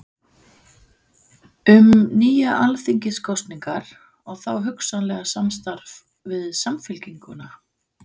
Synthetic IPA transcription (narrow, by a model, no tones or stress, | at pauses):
ʏmniːjaʔalθiɲcɪskʰɔst̪niŋkaɾ̥ | ɔɣθawɦʏksanlɛɣasamst̪aɾv | vɪðsamfɪlciŋkʏna